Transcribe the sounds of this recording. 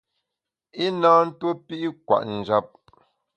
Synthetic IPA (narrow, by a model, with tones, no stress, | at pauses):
i˦nãː˦n̩˦two˦pi˦ʔi˦kwa̰˨ʔn̩˨d͡ʒa˦p̚